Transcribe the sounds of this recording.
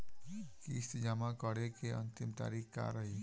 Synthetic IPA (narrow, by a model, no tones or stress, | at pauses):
kiɪst̪d͡ʒaːmakəɽekeə̰nt̪imt̪a̰ːɾikka̰ɾəɦi